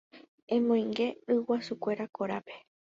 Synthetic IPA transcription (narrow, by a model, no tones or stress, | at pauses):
ẽ̞mõj̃ŋɡe̞ɨwasukʷe̞ɾakoɾape̞̥